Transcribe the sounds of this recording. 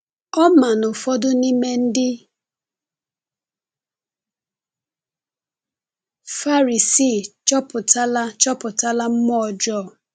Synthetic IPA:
ɔ˦ma˨nʊ˨fɔ˦dʊ˦ni˦me˦n̩˦dɪ˦ | fa˦ɾi˨si˦˨t͡ʃɔ˦pʊ˨ta˦la˦t͡ʃɔ˦pʊ˨ta˦la˦m̩˦mɔ˦ɔ˨d͡ʒɔ˦˨

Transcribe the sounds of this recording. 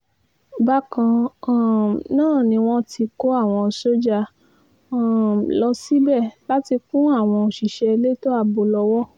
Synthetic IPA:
ba˦kã˧˦˨ | nãː˦˨nĩ˧w̃ɔ̃˦ti˧ko˦a˦˨w̃ɔ̃˧˨so˦d͡ʒa˧˦˨ | lɔ˧si˦bɛ˦˨la˦ti˧kũ˦a˦˨w̃ɔ̃˧o˨ʃi˨ʃɛ˧e˧le˦to˦a˧bo˧lɔ˧wɔ˦

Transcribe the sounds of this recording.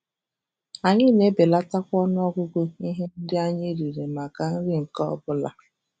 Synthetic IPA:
a˨ɲɪ˦ne˦be˨la˦ta˦kʷɔ˦nʊ˦ɔ˦ɡʷʊ˦ɡʷʊ˦i˦ɦe˦n̩˦dɪ˦a˦ɲɪ˦ɾi˨ɾe˨ma˨ka˨n̩˦ɾɪ˦ŋ̩˨kɔ˦ɔ˦bʊ˦la̰˦

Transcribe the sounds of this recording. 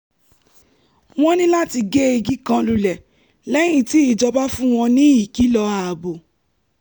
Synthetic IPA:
w̃ɔ̃˦nĩ˦la˦ti˧ɡe˦e˧ɡi˦kã˧lu˧˨lɛ˨ | lɛ˦j̃ĩ˦˨ti˨˦i˦˨d͡ʒɔ˧ba˦fũ˦w̃ɔ̃˧nĩ˦i˦˨ki˨˦lɔ˧a˨bo˨

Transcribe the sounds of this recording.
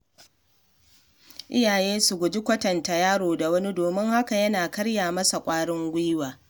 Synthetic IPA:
ʔɪ̰˦jaː˨jeː˦su˨ɡʷʊ˨d͡ʒi˦kʷɐ˦tɐ˨nta˨jaː˦ɽoː˨da˨wɐ˦ni˦doː˨mɪ˦ŋha˦ka˨jɐ˦naː˨kɐ˦ɽjaː˨mɐ˦sa˨kʷʼaː˦ɽɪ˦ŋɡʷi˦waː˨

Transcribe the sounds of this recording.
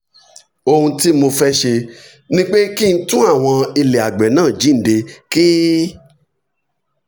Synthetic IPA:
o˧hũ˧ti˦mo˧fɛ˦ʃe˧ | nĩ˦k͡pe˦ki˦˧n̩˦tũ˦a˦˨w̃ɔ̃˧i˧le˨a˨ɡ͡bɛ˨nãː˦˨d͡ʒi˨˦n̩˨˦de˧ki˦

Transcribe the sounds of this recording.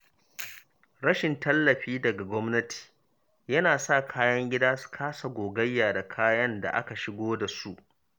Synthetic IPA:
ɽɐ˦ʃɪ˨ntɐ˦lːɐ˨ɸiː˦dɐ˨ɡa˨ɡʷɔ˦mnɐ˦ti̥ː˨ | jɐ˦naː˨sa˦˨kʰaː˦jɐ˦ŋɡʲɪ˦daː˦su̥˨˦kʰaː˦sa˨ɡʷoː˨ɡɐ˦jːaː˨da˨kʰaː˦jɐ˦nda̰˨ʔa̰˦ka˨ʃɪ˦ɡʷoː˦da˨su˦ʔ

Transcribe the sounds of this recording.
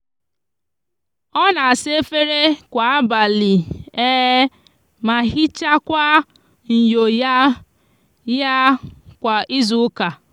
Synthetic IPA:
ɔ˦na˨a˨sɪ˦e˦fe˦ɾe˦kʷa˨a˦ba˨li˨e˦ | ma˨ɦi˦t͡ʃa˦kʷa˦ | n̩˨jo˨ja˦ | ja˦kʷa˨ʔi˦zu˦ka˨

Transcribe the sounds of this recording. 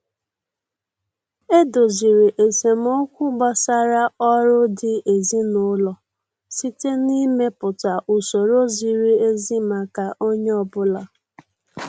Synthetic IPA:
e˦do˨zi˨ɾi˨ʔe˨se˨m̩˦o˦kʷu˦ɡ͡ba˨sa˦ɾa˦ɔ˦ɾʊ˦dɪ˨ʔe˨zi˦nʊ˦lɔ˨ | si˦te˦ni˦me˦pʊ˨ta˨ʔu˨so˨ɾo˦zi˨ɾi˦e˦zi˦ma˨ka˨ʔo˦ɲe˦ɔ˨bʊ˦la˨

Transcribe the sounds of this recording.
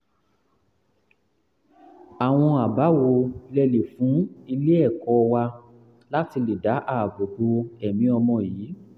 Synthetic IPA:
a˨w̃ɔ̃˧a˨ba˨˦wo˧lɛ˧le˨fũ˨˦i˧le˦ɛ˦˨kɔ˧˦˧wa˧ | la˦ti˧le˨da˨˦ʔa˦˨bo˨ɡ͡bo˧ɛ˨mĩ˨˦ɔ˧mɔ̃˧˨jiː˨˦

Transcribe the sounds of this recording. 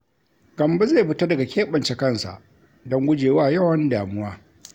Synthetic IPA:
ɡ̥ɐ˨mbe˦ze˦˨bʊ˦ta˦dɐ˨ɡa˨kʲeː˦ɓɐ˨nt͡ʃɛ˦kɐ˦˨nsa̰˨ʔ | dɔ˦ŋɡʷʊ˦d͡ʒeː˨waː˦jɐ˦˨wɐ˦ndaː˨mʊ˦waː˦

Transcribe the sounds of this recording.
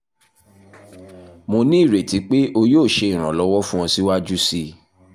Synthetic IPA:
mo˧nĩ˦i˦˨ɾe˨ti˨˦k͡pe˦ʔo˧joː˦˨ʃe˧i˨ɾ̃ã̰˨lɔ˨˦wɔ˦fũ˦ɔ̃˧si˦wa˦d͡ʒu˦si˧

